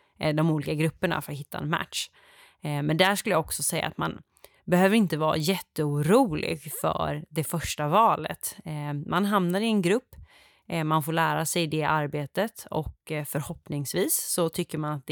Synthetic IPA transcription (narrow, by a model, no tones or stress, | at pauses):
d̪ɔmuːlɪkaɡɾɵpːəɳa̰fœɾat̪ɦɪt̪ːaɛ̰nmæ̰t̪ʂ | mɛnd̪æʂkɵləjaɔksɔsɛjːa̰ːt̪ma̰n | bɛhøːvəɾɪnt̪əvɑ̰ːɾa̰jɛt̪ːəuːɾuːlɪ̰ɡfœ̰ɾd̪ɛfœʂʈavɑːlə̰t̪mʔanɦamnaɾɪɛnɡɾɵpː | manfoːɭæːɾasɛjd̪ɛʔaɾbeːt̪ət̪ɔ̰kfœɾhɔpnɪŋsviːsːɔt̪ʰʏkːəɾmanat̪̚d̪ɛ